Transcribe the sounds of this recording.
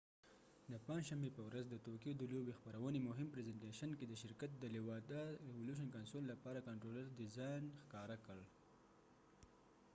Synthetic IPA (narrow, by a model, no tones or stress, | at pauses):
d̪əpãnʃambepəwɾazd̪ət̪okijod̪əlobexpaɾawənemʊɦɪmpɾezeɳʈeʃanked̪əʃɪɾkat̪̚d̪əlɪwɑd̪aewoluʃ̬ənkansolːapɑɾakaɳʈɾoləɾd̪ɪzɑjnxkɑɾakəɽ